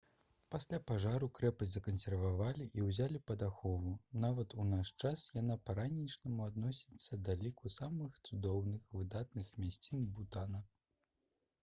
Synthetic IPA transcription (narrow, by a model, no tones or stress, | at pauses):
pasʲlʲapaʐaɾukɾɛpɐzʲzɐkɐnsʲɛrvavalʲiʔiwzʲalʲipɐd̪axɔvunavɐt̪unaʂt͡ʂasjan̪apaɾanʲit͡ʂnɐmuad̪nɔsʲit̪sːɐd̪alʲikusamɨxt̪sud̪ɔwnɨxvɨd̪at̪nɨxmʲasʲt͡sʲinbut̪anɐ